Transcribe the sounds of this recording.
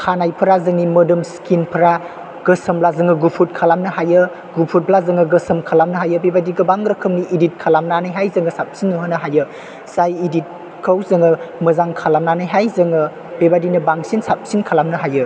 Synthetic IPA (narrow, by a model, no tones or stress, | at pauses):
kʰanajpʰɐɾazɯŋnimɐdɯmskinpʰɐɾa | ɡ̥əsəmblazɯŋɯɡupʰut̚kʰalamnɯɦajɯ | ɡupʰut̚blazɯŋɐɡəsəmkʰalamnɐɦajɯbebadiɡɐbaŋɾɐkʰɯmniʔidit̚kʰalamnanajɦajzɯŋɐsap̚sinːuɦɯnɐɦajɯ | z̥ajidit̚ | kʰəwzɯŋɯmɐzaŋkʰalamnanajɦajzɯŋɯ | b̥ebadinɐbaŋsinsap̚sinkʰalamnɐɦajɯ